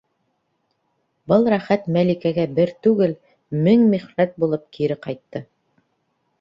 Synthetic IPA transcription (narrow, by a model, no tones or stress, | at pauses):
bɤlˠɾæχæt̪mælikæɡæbɘɾt̪ʉɡɘl | mɘŋmiχnæt̪̚bulˠɤp̚kiɾɘqɑjt̪ːɤ